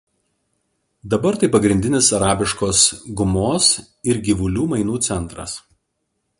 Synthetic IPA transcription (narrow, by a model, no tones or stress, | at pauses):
d̪ɐbɐɾt̪ɐɪpɐɡɾʲɪnʲd̪ʲɪnʲɪsɐɾɑːbʲɪʃkoːsɡʊmoːs | ɪɾɡʲiʋʊlʲuːmɐɪnuːt̪sʲɛnˑt̪ɾɐ̰s